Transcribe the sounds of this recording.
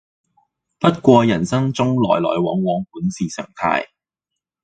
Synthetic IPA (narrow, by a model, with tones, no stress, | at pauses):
pɐ˥t̚kʷɔː˧jɐ˨˩nsɐ˥ŋt͡sʊ˥ŋlɔː˨˩jlɔː˨˩jwɔː˨˥ŋwɔː˨˥ŋpuː˨˥nsiː˨sœ̰ː˨˩ŋt̪ʰa̰ː˧j